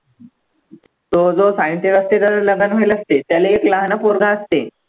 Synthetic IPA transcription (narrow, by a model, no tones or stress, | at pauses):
t̪od͡zosajnt̪eʋəst̪ed̪əɾləɡənʋejləst̪et̪jaleːklaɦnapoɾɡʱaəst̪e